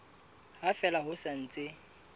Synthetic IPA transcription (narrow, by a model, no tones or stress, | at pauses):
hafɛlaɦʊsan̩t͡sʼɪ